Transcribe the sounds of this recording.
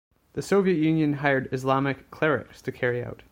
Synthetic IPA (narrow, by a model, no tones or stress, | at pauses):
ðɨsoʊviɨt̚jʉ̃njɨ̃nɦaɪə˞ɾɨzlɑmɨkʰːl̥ɛɹɪ̰kstʰɨkʰɛɹia̰ʊt̚